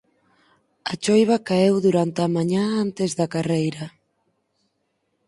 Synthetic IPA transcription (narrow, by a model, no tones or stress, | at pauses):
ɐt͡ʃojβ̞ɐkaewðuɾant̪eamaɲãant̪ezðɐkarejɾɐ